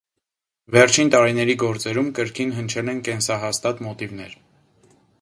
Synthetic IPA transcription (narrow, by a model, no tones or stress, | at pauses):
vɛɾt͡ʃʰint̪ɑɾinɛɾiɡɔɾt͡sɛɾumkəɾkʰinɦənt͡ʃʰɛlɛnkɛnsɑɦɑst̪ɑt̪mɔt̪ivn̪ɛ̰ɾ